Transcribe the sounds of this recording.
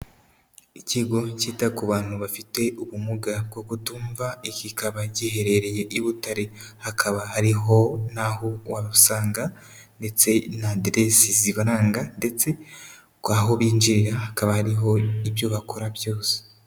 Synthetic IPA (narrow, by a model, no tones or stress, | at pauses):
iciɡo̞ciːtakuβaːnhuβafite̞ʔuβumuɡab̚ɡokutuːɱvaikikaβacihe̞ɾe̞ɾeje̞ʔiβutaɾehakʰaβahaɾiɦo̞nahowaβaβusaːŋɡa | nde̞t͡se̞nadɾesiziβaɾaːŋɡande̞t͡se̞ | kaɦoβiːnd͡ʒiɾiɾahakaβahaɾiɦo̞iβjoβakʰoɾaβjo̞ːse̥